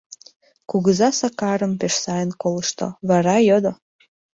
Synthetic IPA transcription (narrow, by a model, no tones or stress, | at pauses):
kuɣəzɑsɑkɑɾə̆mpeʃsɑjənkolə̆ʃt̪o̰βɑɾɑjod̪o